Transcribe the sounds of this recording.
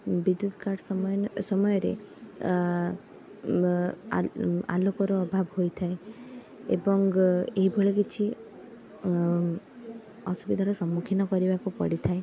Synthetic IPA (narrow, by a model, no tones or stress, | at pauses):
bid̪ud̪ʱɔ̥kaɽsɔmsɔmɔjɔɾḛ | a̰lokɔɾɔːbʱabhojt̪ʰae | ḛbɔŋeɦibʱoɭekit͡ʃʰi | ɔsubid̪ʱaɾɔsɔmːukʰinɔkɔɾibakupɔ̰ɽit̪ʰae